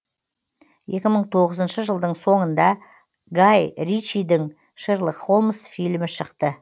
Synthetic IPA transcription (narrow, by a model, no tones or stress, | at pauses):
je̞kʲɪməɴt̪ʰo̞ʁəzənʃəʒəlˠd̪əɴso̞ɴənd̪ɑ | ɡajɾit͡ʃijd̪ɪŋ | ʃəɾlˠəqχo̞lˠmsfijlmɪʃəqt̪ə